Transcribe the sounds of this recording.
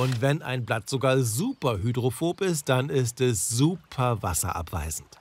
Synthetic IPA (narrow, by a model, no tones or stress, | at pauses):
ʔʊntv̥ɛna̰ɪnblatz̥oɡaːɐzuːpɐhydʁofoːpɪst̚d̥anɪstɛszuːpʰɐva̰sɐ̰ʔa̰pv̥a̰ɪzn̩t